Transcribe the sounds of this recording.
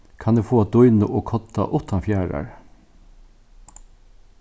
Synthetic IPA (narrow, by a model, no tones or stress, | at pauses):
kʰɑnd̪ʉːfoːɑd̪ɔʏnəʔoːkʰɔt̪ʰɑ̰ʔɔt̪ʰɑnfjæːɾə̰ɹ